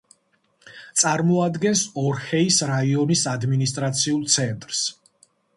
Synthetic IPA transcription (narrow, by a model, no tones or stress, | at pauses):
t̪sʼaɾmɔad̪ɡɛnsɔɾhɛisɾaiɔnisad̪minist̪ʼɾat̪sʰiulˠt̪sʰɛnt̪ʼɾs